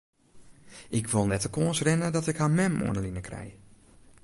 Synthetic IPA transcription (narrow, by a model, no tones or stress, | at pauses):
ʔɪkʰʋɪlˠnɛtəkoənsrɛnədɔtɪkhamɛmʔo̰ənəlinəkrɛ̰j